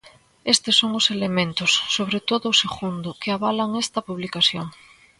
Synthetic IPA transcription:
est̪esːoŋose̞lemẽnt̪osːoβ̞ɾet̪oðoːseɣund̪okeaβalaŋest̪apuβlikaθjoŋ

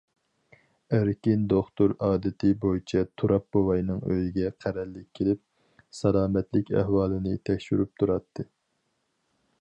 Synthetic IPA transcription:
æɾkʲind̪oχt̪uɾɑːd̪ɨt̪ʰɪbojit͡ʃʰɛt̪ʰuɾʔɑp̚bowɑjnɨŋø̰jiɡʲɛqʰæɾɛlːɪkʲʰːelɪp̚ | sɛlˠɑːmɛt̪lɪkʲæ̰hwɑːlˠɨnɨt̪ʰɛkʲʃyɾyp̚t̪ʰuɾɑt̪ʰːɨ

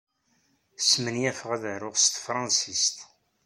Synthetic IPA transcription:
smənjæfəʁæðəɾʊʁst̪fɾˤɑ̃nsist̪

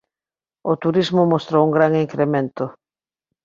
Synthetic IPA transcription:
ot̪uɾizmʊmost̪ɾouŋɡɾaŋiŋkɾemẽnt̪ʊ

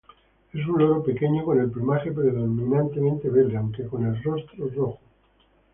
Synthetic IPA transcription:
e̞s̬unloɾope̞keɲoko̞ne̞lplimaxe̞pɾeðomĩnãnt̪e̞mẽnt̪e̞β̞eld̪eawŋkeko̞ne̞lrost̪ɾoroxo

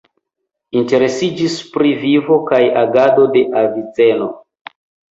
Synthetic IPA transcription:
inte̞ɾe̞sid͡ʒispɾivivo̞kajaɡado̞de̞ʔavit͡se̞no̞

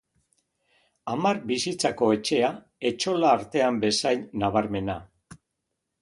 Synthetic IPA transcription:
amarbisit͡sako̞e̞t͡ʃe̞a | e̞t͡ʃo̞laːɾt̪e̞ambe̞sajnaβaɾme̞na

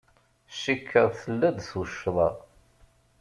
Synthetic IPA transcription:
ʃikʰːəðˤθəlːæd̪θuʃːðˤɑ̰

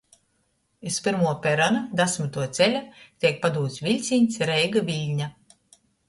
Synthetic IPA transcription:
ispiɾmuɔpʲɛɾɔnad̪asmit̪uɔt̪sɛlʲat̪ʲiɛk̚pad̪uːt̪svʲilʲt̪sʲinʲsɾɛjɡavilʲɲa

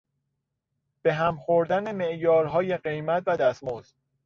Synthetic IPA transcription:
b̥e̞ɦæmxoɾd̪æneme̞ʔjɒːɾɦɒːje̞ɢe̞jmæt̪ʰvæd̪æsmoz̥

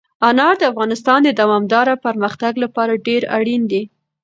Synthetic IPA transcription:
ɑnɑɾd̪əafɣɑnɪst̪ɑnd̪əd̪awɑmd̪ɑɾapaɾməxt̪aɡlapɑɾaɖeɾa̰ɽind̪i

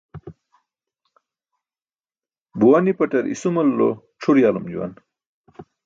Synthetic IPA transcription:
buwanipɐʈɐɾʔḭsumɐlːo̰ | ʈ͡ʂʰuɾjaːlumd͡ʑṵwa̰n

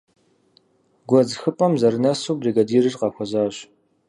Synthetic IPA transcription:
ɡʷɔzxɨpʼɐmzɐɾɨnɐsuːbdiɡɐdiːrɨrqɑxʷɔzaːɕ

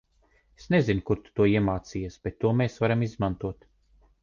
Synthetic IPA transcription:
esnezinkuɾt̪u̥t̪uɔiɛmaːt̪sijasb̥et̪ːuɔmeːsvaɾamizmant̪uɔt̪

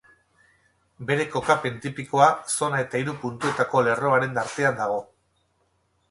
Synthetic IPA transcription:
be̞ɾe̞ko̞kape̞nt̪ipiko̞aso̞nae̞t̪aiɾupunt̪ue̞t̪ako̞le̞ro̞aɾe̞nd̪aɾt̪e̞and̪aɣ̞o̞

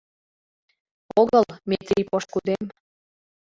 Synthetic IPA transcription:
oɣəlmet̪ɾipoʃkud̪em

